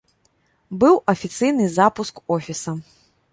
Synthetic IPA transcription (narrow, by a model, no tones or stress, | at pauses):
bɨwɐfʲit̪sɨjnɨzapuskɔfʲisɐ